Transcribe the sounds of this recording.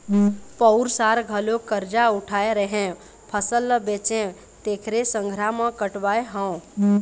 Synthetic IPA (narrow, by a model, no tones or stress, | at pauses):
pəʊɾsaɾɡʱəlokəɾd͡ʒaʊʈʰaeɾəɦẽ | pʰəsəlːəbet͡ʃẽ | t̪eːkʰɾesə̃ŋɡʱɾamə̃kəʈʋaːeɦə̃